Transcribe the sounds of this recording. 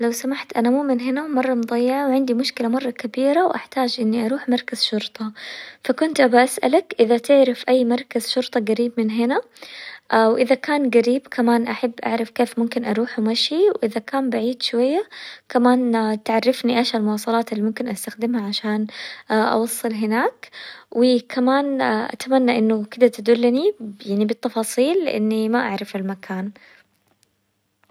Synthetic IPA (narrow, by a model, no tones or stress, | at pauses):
lawsamaħt̪ʔanamuːmɪnɦɪnamɑrˤːɑmʊd̪ˤɑjːɪʕawʕɪnd̪imʊʃkɪlamɑrˤːɑkabiːɾawʔaħt̪aːd͡ʒʔɪnːiʔɑɾˤuːħmɑɾˤkaz̥ʃʊɾt̪ˤɑfakʊnt̪ʔabaʔasʔa̰lakʔɪðat̪ɪʕɾɪfʔajːmɑɾˤkazʃʊɾt̪ˤɑɡaɾiːbmɪnɦɪna | ʔwʔɪðakaːnɡaɾiːbkʰamaːnʔaħabːʔa̰ʕɾˤɪfkeːfmʊmkɪnʔɑɾˤuːħmaʃiwʔɪðakaːmbaʕiːd̪ʃwajːakamaːnt̪ʕarˤːɪfniʔaʃalmʊwɑːsˤɑlɑːt̪ɪlːimʊmkɪnʔast̪axd̪ɪmhaʕaʃaːnʔɑ̰wɑsˤːɨlɦɪnaːkwʔɪkʰamaːnʔa̰t̪amanːaʔɪnːʊkɪd̪at̪ad̪ulːanijaʕnibɪt̪ːɑfɑːsˤiːlːɪʔa̰nːimaʔaʕɾˤɑfɪlmakʰaːn